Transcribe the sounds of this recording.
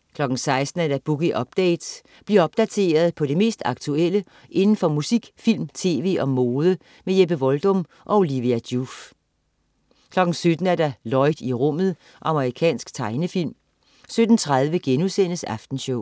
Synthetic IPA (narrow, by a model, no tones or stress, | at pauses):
kʰlɒ̽ɡ̥n̩sɑ̈ɪsd̥n̩æd̥æb̥uɡ̥iʔɒ̽b̥̚d̥ɛɪd̥s | b̥liɐɒ̽b̥̚d̥æt͡sʰe̝̰ːɐð̞̩ˠpʰɒ̽ɾ̥e̝me̝̰ːsd̥ɑ̈ɡ̥t͡sʰuel̰ə | ʔe̝nn̩fɒ̽musiɡ̥fil̰mt͡sʰe̝ːʋe̝̰ːɒ̽mo̝ːð̞ˠə | mejeb̥əʋɒld̥ɔ̽m | ʔɒ̽o̝liʋiæd̥juf | kʰlɒ̽ɡ̥n̩sød̥n̩æɐd̥ælɒ̽ɪd̥iʁɔ̽m̰ð̞̩ˠ | ʔɑ̈məʁikʰɛ̰ːnsɡ̥t͡sʰɑ̈ɪnəfil̰m | sød̥n̩t͡sʰʁað̞ˠʋəɡ̥enusen̰əsæfd̥n̩ɕɔʊ̰